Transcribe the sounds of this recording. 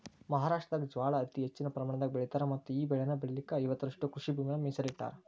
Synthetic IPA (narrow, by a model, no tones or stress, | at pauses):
mɐɦaːɾaːʂʈɾɐd̪ɐkd͡ʒʋaːɭɐːt̪iɦet͡ʃːinɐpɾɐmaːɳ̃ɐd̪ɐɡebeɭit̪aːɾɐmɐt̪ːuiːbɛɭenɐbɛɭɐlikːɐijʋɐt̪ːɐɾɐʂʈukɾuʂibiːmɐnɐmisɐliʈːa̰ːɾɐ